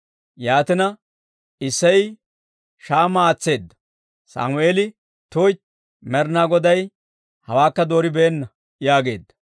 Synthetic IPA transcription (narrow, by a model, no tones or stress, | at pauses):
jaːt̪ɪnɐ | ɪsːɐj | ʃaːmaːt͡sːe̞ːd̪ːɐ | sa̰ːmʊeːlɪ | t̪oːjt̪ | mɛɾnaɡɔd̪ɐj | hɐwaːkːɐd̪o̞ːɾɪbɛːnːɐ | jaːɡe̞ːd̪ːɐ̥